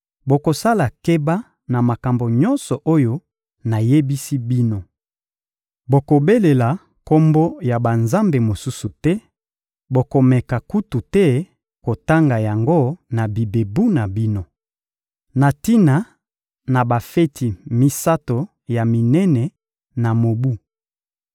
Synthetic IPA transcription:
bo˨ko˨sa˦la˨ke˦ba˦ | na˨ma˨ka˨mbo˨ɲɔ˦nsɔ˨ʔo˦jo˦ | na˨je˦bi˦si˦bi˦no˦ | bo˨ko˨be˦le˨la˨ | ko˦mbo˦ja˨ba˨nza˦mbe˨mo˨su˦su˨tɛ˦ | bo˨ko˨mɛ˨ka˨ku˦tu˨tɛ˦ | ko˨ta˦ŋɡa˨ja˨ŋɡo˦na˨bi˨be˨bu˦na˨bi˦no˦ | na˨ti˦na˨ | na˨ba˨fe˦ti˨mi˦sa˦to˨ | ja˨mi˨nɛ˦nɛ˨ | na˨mo˨bu˦

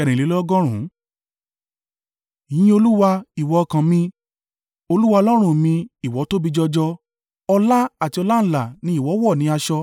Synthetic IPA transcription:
ɛ˨ɾ̃ĩ˨le˨˦lɔ˦ɡɔ˦ɾ̃ũ˨˦˨ | jĩ˦o˧lu˦wa˧i˨wɔ˨˧kã˧mĩ˧ | o˧lu˦wa˧ɔ˧lɔ˦ɾ̃ũ˦mĩ˧i˨wɔ˨˦to˦bi˧d͡ʒɔ˧d͡ʒɔ˧ | ɔ˧la˦a˦˨ti˧ɔ˧la˦ñ̩˦la˨nĩ˦i˦˨wɔ˨˦wɔ˦˨nĩ˨˦a˧ʃɔ˧

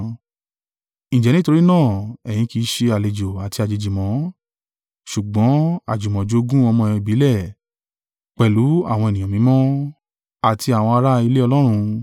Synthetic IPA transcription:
nĩ˨d͡ʒɛ˨nĩ˦to˧ɾi˦nãː˦˨ɛ̃˨ĩ˧ki˨˦ʃe˧a˨le˨d͡ʒo˨a˨ti˧a˨d͡ʒe˨˧d͡ʒi˨mɔ̃˨˦ | ʃu˨ɡ͡bɔ̃˨˦a̰˨d͡ʒu˨mɔ̃˨d͡ʒo˨˧˦ɡũ˦ɔ˧mɔ̃˧i˨bi˨˦lɛ˦˨ | k͡pɛ˨lu˨˦a̰˦˨w̃ɔ̃˧ɛ˨nĩ˨ã˨mĩ˨˦mɔ̃˦ | a˨tʰi˧a˨w̃ɔ̃˧a˧ɾa˦˧i˧le˦ɔ˧lɔ˦ɾ̃ũ˧

